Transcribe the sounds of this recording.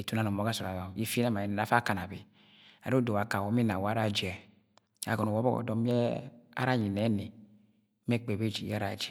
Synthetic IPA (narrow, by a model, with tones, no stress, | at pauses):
e˨tu˦na˦˨o˨mo˨˦ɡa˦sɔ˨a˨jɔ˨ji˦fna˦ma˨i˨a˨˦fa˦˨ka˨na˨bi˨ | a˨˦do˨wa˨ka˨wo˨˦m˦i˦na˨wa˦ɾa˦˨d͡ʒɛ˨ | a̰˨ɡɔ˨no˨wɔ˦bɔ˦ɔ̰˨dɔ˨mi˦ɛ˦a̰˦ɾa˦˨ɲi˨nɛ˨˦ne˨˦ | m˦ɛ˦k͡pe˨be˦˨d͡ʒḭ˨ja˦ɾa̰˨d͡ʒɛ˨